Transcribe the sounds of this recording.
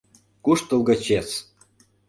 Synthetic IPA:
kuʃt̪ulˠɣɤ̆t͡ɕet͡s

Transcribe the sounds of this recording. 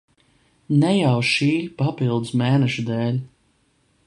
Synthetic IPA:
nɛjawʃiːlʲpapilˠd̪smɛːnɛʃud̪ɛːlʲ

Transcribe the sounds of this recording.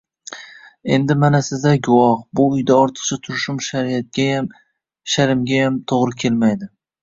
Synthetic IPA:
e̞nd̪ɪmanasɪzd̪aɡʊwɒhbʊːjd̪aɒɾt̪ʰɨ̥qt͡ʃʰat̪ʰʊɾʃʊmʃaɾiat̪̚ʲaam | ʃaɾɪmɡʲajamt̪ʰoʁɾɪkʲʰe̞lmajd̪ɪ

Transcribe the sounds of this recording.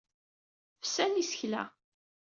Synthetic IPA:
fsænisə̥çlæ̰

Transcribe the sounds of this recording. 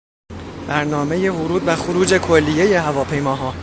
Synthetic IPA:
b̥æɾnɒːme̞je̞vʊɾuːd̪̚bæxoɾuːd͡ʒe̞kʰo̞lːije̞je̞ɦævɒːpʰe̞jmɒːɦɒː

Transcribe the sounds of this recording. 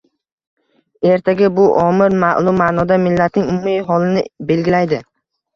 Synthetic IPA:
e̞ɾt̪ʰaɡʲabʊʔɒmɪɾmaʔlˠʊmːanɒd̪amɪlːat̪ʰnɪŋʊmʊmijɦɒlɪnɪbe̞lɡʲɪlajd̪ɪ

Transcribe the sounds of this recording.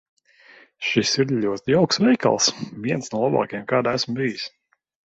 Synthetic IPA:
ʃisiɾʎʲuɔt̪iawksvɛjka̰lˠsviɛnsnuɔlˠaba̰ːkijɛmkaːd̪æsmbijis

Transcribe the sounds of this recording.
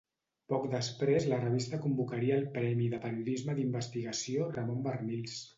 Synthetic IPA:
pɔkd̪əspɾezlərəβ̞ist̪əkumbukəɾiəːlˠpɾɛmiðəpəɾiuðizməðimbəst̪iɣəsiorəmombərnils

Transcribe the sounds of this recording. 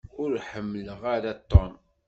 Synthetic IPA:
ʊɾħəmːələʁaɾat̪ːɔn

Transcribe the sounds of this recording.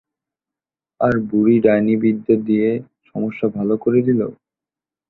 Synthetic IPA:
aɾbuɾiɖajnibid̪ːod̪ie | ʃɔmoʃːabʱalokoɾed̪ilo̰

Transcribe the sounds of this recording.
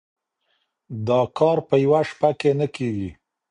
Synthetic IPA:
d̪ɑkɑɾpəjawaʃpakenəkeɡi

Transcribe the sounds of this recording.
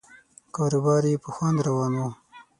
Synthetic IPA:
kɑːɾubɑːɾepəxwand̪ɾawɑːno

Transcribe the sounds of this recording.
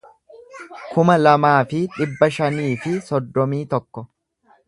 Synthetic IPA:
kʊmɐlɐmaːfɪᶑɪbːɐʃɐniːfɪsɔd̪ːɔmiːt̪ɔkːɔ

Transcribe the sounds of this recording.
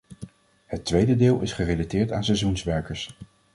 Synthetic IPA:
hətːʋejdədɪːlˠɪsχərejlatɪːɹta̰ːnsɛjzunsʋɛɹkəɹs

